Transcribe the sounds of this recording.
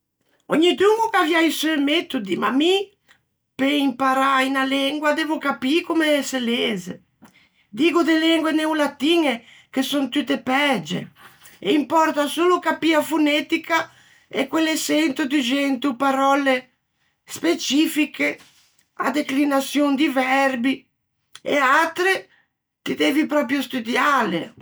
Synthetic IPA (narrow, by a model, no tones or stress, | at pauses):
ɔɲːid̪uŋukavjajsømɛt̪ud̪ima̰mi | peimpaɾajnalɛŋɡwad̪evʊkapiːkomeɛseleːzḛ | d̪iːɡʊd̪elɛŋɡweneulat̪iːŋe | kesont̪ut̪ːepɛd͡ʒḛ | eimpɔrt̪asoːlokapiːafunɛt̪ika | ɛkːwelːesɛnt̪ud̪id͡ʒɛnt̪upaɾɔle | spet͡ʃiːfikʰe | a̰d̪eklinat̪sjond̪ivɛrbi | ḛat̪ɾe | t̪id̪eːvipɾɔːp̬ɾjost̪ud̪jaːlḛ